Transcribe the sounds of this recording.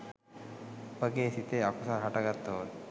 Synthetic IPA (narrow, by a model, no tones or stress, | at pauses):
pəɡesit̪eakusaɾɦaʈaɡat̪ːoɦot̪